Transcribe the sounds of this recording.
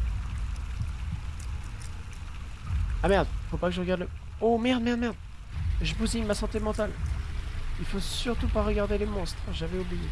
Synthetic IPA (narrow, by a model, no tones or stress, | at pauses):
amɛʁd̪ifopakəʒəʁəɡad̪lə | omɛʁd̪mɛʁd̪mɛʁd̪ | ʒəbuzimasɑ̃t̪emɑ̃t̪al | ilfosyʁt̪upaʁəɡaʁd̪elemɔ̃st̪χəʒavɛublije